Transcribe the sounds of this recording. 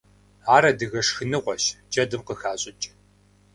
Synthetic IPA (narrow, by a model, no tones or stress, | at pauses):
aːɾɐdɨɣɐʂxɨnɨʁʷɔɕd͡ʒʼɐdɨmqəxaːɕʼɪt͡ʃʼ